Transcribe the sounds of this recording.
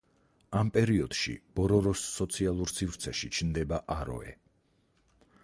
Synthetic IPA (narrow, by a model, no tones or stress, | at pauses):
ampʼɛɾiɔd̪̥ʃḭb̥ɔɾɔɾɔsːɔt̪sʰialˠuɾsivɾt̪sʰɛʃit͡ʃʰnd̪ɛbaʔaɾɔ̰ɛ̰